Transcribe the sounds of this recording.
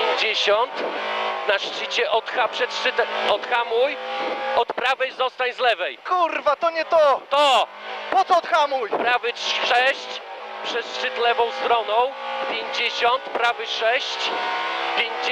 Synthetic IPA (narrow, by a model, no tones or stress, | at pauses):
ɲd͡ʑeɕɔnt̪naʂt͡ʂɘt͡ɕɛʔɔt̪xapʂɛt̪ʂt͡ʂɘt̪ɛɔt̪xamujɔt̪pɾavɛjzɔst̪aɲzlɛvɛjkurvat̪ɔɲɛt̪ɔt̪ɔpɔt̪sɔɔt̪xamujpɾavɘʂɛɕt͡ɕpʂɛt̪ʂt͡ʂɘt̪lɛvɔ̃w̃st̪ɾɔnɔ̃w̃pʲjeɲd͡ʑeɕɔnt̪pɾavɘʂɛɕt͡ɕpʲjeɲ